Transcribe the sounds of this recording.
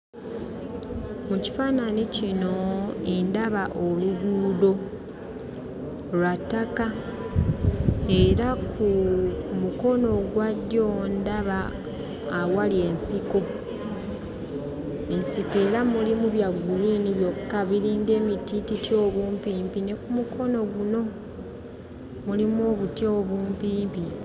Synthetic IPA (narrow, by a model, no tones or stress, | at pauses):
muci̥faːnanicino̞e̞ndaβaʔo̞luɡuːdo̞ | lwatːaka | e̞ɾakumuko̞no̞ɡwadːjo̞ndaβaː | walie̞nsiko̞ | e̞nsike̞ːɾamulimuβjaɡːuliːniβjo̞kkːaβiɾiːŋɡe̞ːmitititjo̞ːβuːmpiːmpine̞kumukʰo̞no̞ɡuno̞ | mulimuo̞ːβutjo̞ːβuːmpiːmpi